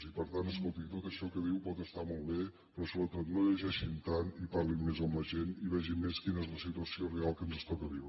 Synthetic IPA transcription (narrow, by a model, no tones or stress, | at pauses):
zipəɾt̪ant̪əskolˠt̪iŋt̪ot̪əʃɔkəðiwpɔt̪əst̪amolˠβe | pɾɔsoβɾət̪ot̪noʎəʒɛʃint̪anipaɾlimmezəmləʒeniβɛʒimmːeskinəezləsit̪uəsiorealˠkənzəst̪ɔkəβiwɾə